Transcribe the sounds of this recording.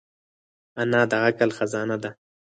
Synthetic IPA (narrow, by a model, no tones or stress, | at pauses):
anɑd̪aɣakalxazɑːnad̪a